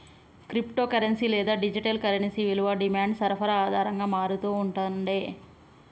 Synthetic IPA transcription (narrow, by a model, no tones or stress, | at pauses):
kɾipʈo̞ːkɐɾensiːlɛːd̪aːɖid͡ʒiʈɐlkɐɾensiːʋiluʋaːɖimaːɳɖsɐɾɐpʰɐɾɐaːd̪ʱaːɾɐŋɡaːmaːɾut̪uːuɳʈond̪eː